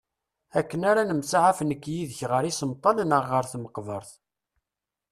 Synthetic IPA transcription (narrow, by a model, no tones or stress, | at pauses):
ækːənaɾanəmsaʕafnəkːjiðəçʁəɾisəmt̪ˤːɑnənəʁːəɾθməqːvəɾˤθ